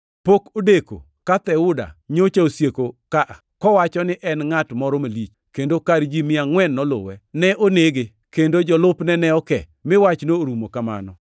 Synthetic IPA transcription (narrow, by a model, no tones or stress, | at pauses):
pokodeko̰ | kat̪ɛʊda̰ɲot͡ʃaosjekokaʔakɔwat͡ʃɔnɪʔɛnŋatmɔɾɔmalit͡ʃ | kendokaɾd͡ʒimɪaŋwɛnːɔlʊ̰wɛnɛʔoneɡe | kendod͡ʒɔlʊpnɛnɛɔkɛ̰ | mɪwat͡ʃnoɾumokama̰nɔ̰